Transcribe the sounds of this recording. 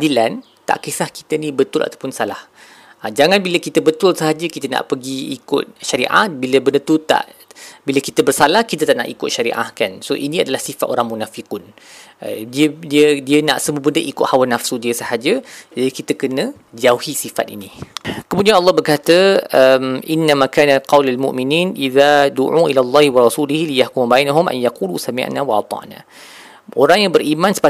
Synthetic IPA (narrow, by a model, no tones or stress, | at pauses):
adilan | t̪a̰ʔkesahki̥t̪ənibət̪ʊlʔa̰t̪awpʊnsalah | ad͡ʒaŋanbiləkit̪əbət̪ʊlsəɦad͡ʒəkit̪əna̰ʔpəɡiːkʊ̰t̪̚ʃaɾḭʔa̰t̪̚biləbəndət̪ut̪a̰ʔ | biləkit̪əbərsalahkit̪ət̪aʔna̰ʔikʊt̪̚ʃaɾḭʔa̰hkansoʔinĩadalahsifat̪ʔo̰ɾaŋmunafikʊn | diədiədiənaʔsəmubədəʔikʊʔ̪hawanafsudiəsəhad͡ʒəd͡ʒadikit̪əkənə̃ | d͡ʒahisifa̰t̪̚ḭnikəmudianʔɑlːɑhbərkat̪əəmʔɪnːamãkaːnaqɑwlalmṵʔminiːnʔiðaduʕuʔilalˤːɑːhiwɑɾˤɑsulihilijahkumubajnaɦʊmʔa̰njaqulusamḭʔnawaʔɑt̪ˤɑ̰ʔna̰ | ʔoɾaŋjaŋbərʔimãnsə̥pa